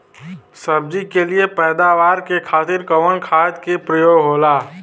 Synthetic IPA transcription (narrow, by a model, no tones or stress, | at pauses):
səb̚d͡ʒikeliepɛːd̪aːʋaːɾkekʰaːt̪ɪɾkəʋənkʰaːt̪kepɾəjoːɡɦoːlaː